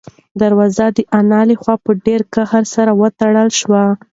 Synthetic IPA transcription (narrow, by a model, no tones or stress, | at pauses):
d̪aɾwɑzad̪əʔanɑlexwɑpəɖeɾkahaɾsaɾawət̪aɽəlʃwa